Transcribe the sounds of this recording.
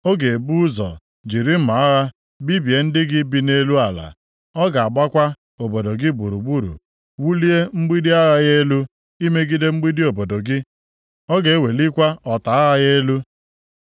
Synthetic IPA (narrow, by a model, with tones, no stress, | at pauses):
o˦ɡe˨e˨bu˦zɔ̰˨ | d͡ʒi˨ɾi˦m̩˦ma˨a˦ɣa˦ | bi˦bje˨n̩˦dɪ˦ɡɪ˦bi˨ne˦lu˦a˨la̰˨ | ɔ˦ɡa˨a˨ɡ͡ba˦kʷa˦ | o˨bo˨do˨ɡɪ˦bu˨ɾṵ˨ɡ͡bu˦ɾṵ˨ | wu˦li˦e˦ŋ͡m̩˦ɡ͡bi˦di˦a˦ɣa˦ɣe˦lu˦ | i˦me˦ɡi˦de˦ŋ͡m̩˦ɡ͡bi˦di˦o˨bo˨do˨ɡɪ˦ | ɔ˦ɡe˨e˦we˨li˦kʷa˦ɔ˨ta˨a˦ɣa˦ɣe˦lu˦